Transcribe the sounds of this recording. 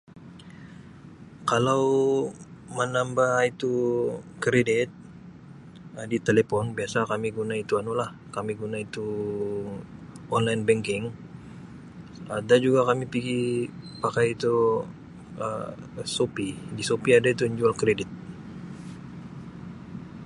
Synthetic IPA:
kalaw | mənambahit̪ukɾedɪt̪̚ | ədit̪elepɔnbiasakamiɡunait̪uanolah | kamiɡunait̪u | ʔɔnlajɪnbɛŋkɪŋ | adad͡ʒuɡakamipiɡipakajit̪u | ə | sopidisopiadait̪uɲd͡ʒualkɾedɪt̪̚

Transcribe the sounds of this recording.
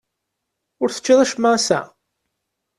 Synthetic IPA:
ʊɾθə̥t͡ʃːɪðˤæʃəmːaæsæ̰

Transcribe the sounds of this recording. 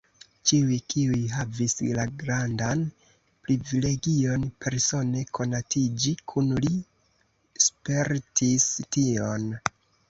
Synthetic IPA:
t͡ʃiujkʰiujɦavislaɡɾandan | pɾivile̞ɡio̞npʰe̞ɾso̞ne̞kʰo̞natʰid͡ʒikʰunli | spe̞ɾtʰistio̞n

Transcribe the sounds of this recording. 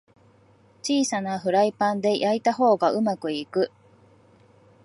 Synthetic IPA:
t͡ɕiːsanaɸɯ̟ɾaipãnd̪e̞jʔait̪aɦo̞ːɡaɯ̟makɯ̟ikɯ̟

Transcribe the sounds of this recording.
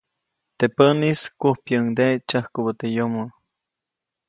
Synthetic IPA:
t̪epəniskuhpjəŋd̪et͡ʃahkubət̪ejomo

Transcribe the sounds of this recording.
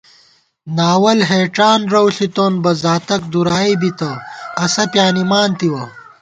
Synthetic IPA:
naːwɐlɦeːʈaːnɾɐwɬit̪oːnbɐzaːt̪ɐk̚d̪uɾaːibit̪ɐɐsɐpjaːnimaːnt̪iwɐ

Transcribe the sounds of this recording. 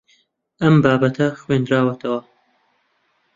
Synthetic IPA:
ʔɐmbaːbɐt̪ʰɐxweːnd̪ɾaːwɐt̪ʰɐwɐ

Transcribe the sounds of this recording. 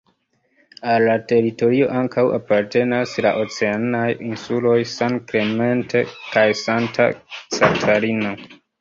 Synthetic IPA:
alːate̞ɾito̞ɾio̞ʔaŋkawʔa̰paɾte̞nasla̰ʔo̞t͡se̞anajinsulo̞jsankle̞me̞ntʰekajsantʰa̰t͡satʰaɾino

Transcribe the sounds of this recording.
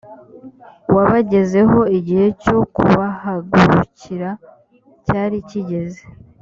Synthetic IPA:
waβaɟe̞ze̞ɦo̞iɟihe̞co̞kṵβahaɡuɾuciɾa | caːɾiciɟe̞ze̥

